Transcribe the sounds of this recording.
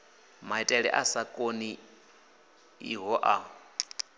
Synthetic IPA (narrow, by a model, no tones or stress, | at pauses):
maitʼɛɺɛ̰ʔasakʼoni | ḭɦɔʔa